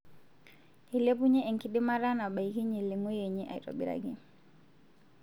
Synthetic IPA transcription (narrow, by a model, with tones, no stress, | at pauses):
i˨le˦p̬u˦ɲe˦e˨ŋki˦di˦ma˦ɾa˦na˨ba˨i˦ki˦ɲe˨li˨ŋo˦je˨ɲe˦ʔa̰˨jto̰˨bḭ˦ɾa̰ɡi˨